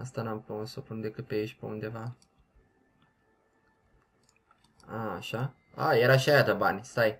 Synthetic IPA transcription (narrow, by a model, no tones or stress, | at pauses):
ast̪anampunsopund̪e̞kɨt̪̚peiʃʲpeund̪e̞va | aːʃa | a̰je̞ɾaʃiajat̪əbanʲst̪aj